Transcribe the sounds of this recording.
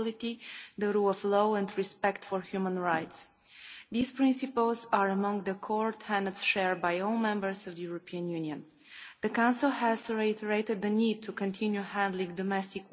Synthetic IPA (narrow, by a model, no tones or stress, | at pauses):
ɪlˠɪtiðəɹulˠʌvloʊɨ̃ndɹispɛktfəɹhjʉmə̃nɹaɪts | ðiz̥pɹ̥ɪ̃nsɨpəl̩ˠzəɹəmʌ̃ŋðəkʰɔɹthæ̃ndədsʃɛɹd̚baɪɔlˠmɛ̃mbə˞zʌvðɨjuɹəpʰiə̃njʉ̃njɨ̃n | ðɨkãʊ̃nsl̩ˠhæzɹeɪtəɹeɪtɨd̪̚ðɨnid̚tʰukʰɨ̃ntʰɪ̃njuhæ̃ndˡlɪ̃ŋdɔmɛstɪk